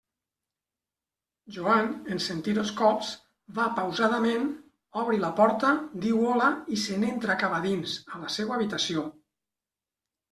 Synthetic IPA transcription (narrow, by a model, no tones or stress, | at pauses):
ʒuanensent̪iðoskɔpz | bapəwzaðəmen | ɔβɾilapɔɾt̪əd̪iwɔlaisenent̪ɾakaβaðinzələsewːβit̪asio